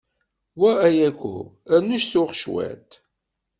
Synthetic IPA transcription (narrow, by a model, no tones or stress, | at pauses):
wææjækʷːṵænːuʃθʊχʃwæ̰t̪